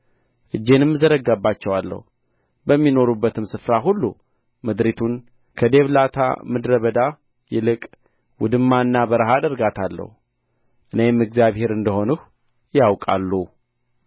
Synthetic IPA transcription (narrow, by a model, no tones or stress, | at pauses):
ʔɨd͡ʒːe̞nɨmːɨzəɾəɡabːat͡ʃːɛwalːə̰hu | bəmːino̞ɾubːət̪ɨmsɨfɾaɦulːu | mɨd̪ɾit̪ʰun | kʰəd̪e̞βlat̪ʰa̰mɨd̪ɾəβəd̪a | jɛlɨkʼ | wʊd̪ɨmːaɨnːabəɾəɦad̪əɾɡat̪ʰalːə̰hu | ʔɨne̞mːɨɡzjaβhe̞ɾɨnd̪əho̞nɨh | jawkʼa̰lːu